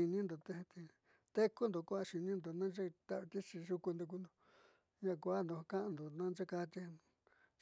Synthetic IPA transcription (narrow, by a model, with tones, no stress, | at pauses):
i˧nĩ˦nd̪o˨t̪e˦˧t̪e˧ | t̪e˦ku˦nd̪o˧kʷa˧ʃi˧nĩ˦nd̪o˨nã˦d͡ʒe˦t̪a˧βt̪i˦t͡ʃi˧ʒu˧ku˧nd̪u˧k̬u˧nd̪o˧ | ɲã˧˨kʷa˦nd̪o˧kã˦ʔnd̪o˨nã˦nd͡ʒe˦ka˧t̪i˧˦˧